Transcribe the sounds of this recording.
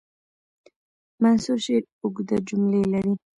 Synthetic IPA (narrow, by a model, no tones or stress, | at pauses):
mansuʃeʈ | ʊɡd̪ad͡ʒʊmlelaɾi